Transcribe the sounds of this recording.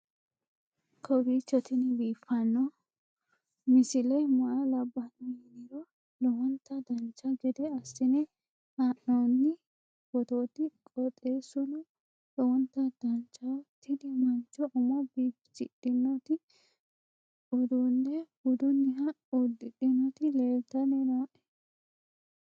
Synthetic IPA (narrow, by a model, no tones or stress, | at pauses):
kʰɔbiːt͡ʃːɔt̪ɪnɪbiːfːɐnːɔ | mɪsɪlɛjmɐʔɐlɐbːɐniɪnɪɾɔ | lɔwɔnt̪ːɐd̪ɐnt͡ʃːɐɡɛd̪ɛɐsːɪnɛ | haʔnonːɪ | b̥ɔt̪oːt̪ɪkʼɔt̪ʼeːsʊlʊ | lɔwɔnt̪ːɐd̪̥ɐnt͡ʃːɐwt̪ɪd̪ɪmɐnt͡ʃːɔʔʊmɔbiːpt͡ʃɪ̰ɗɪnːɔt̪ɪ | ɔd̪unːɛɡʊd̪ʊnːɪɦɐ | ɔd̪ɪɗɪnɔt̪ɪleːlt̪ːɐnɛnoːʔɛ̥